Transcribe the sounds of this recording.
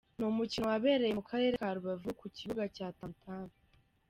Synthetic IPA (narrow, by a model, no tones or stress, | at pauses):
numucinowaβe̞ːɾe̞jemukʰaɾe̞ːɾekaɾuβavukuciβuɡacaːtantʰaːnu